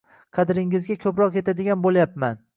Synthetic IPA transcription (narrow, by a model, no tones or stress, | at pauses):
qʰɑd̪ɾɪŋɪzɡʲakʲʰɵpɾɒqjet̪ʰad̪ɪɡʲanbolˠjapman